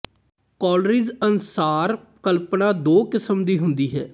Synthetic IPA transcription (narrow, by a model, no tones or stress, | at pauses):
kɔːlɾiːzənsaːɾ | kəlpnãːd̪oːkɪsəmd̪iːɦʊnd̪iːɦɛː